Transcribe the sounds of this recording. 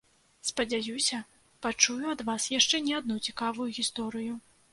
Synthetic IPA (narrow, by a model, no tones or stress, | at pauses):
spɐd͡zʲajusʲɐ | pat͡ʂujuɐd̪vasjaʂt͡ʂɛnʲɛad̪̚nut͡sʲikavujuɣʲist̪ɔɾɨju